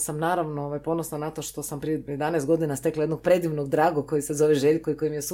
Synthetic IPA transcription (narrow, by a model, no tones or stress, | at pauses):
samnaːɾaʋnooʋajpo̞nosnanat̪o̞ʃt̪o̞sampɾiejed̪anest̪ɡo̞d̪inast̪e̞klajed̪noɡ̚pɾe̞d̪iʋnoɡd̪ɾaːɡokːo̞jisezo̞ʋeʒeʎkoiko̞jimijes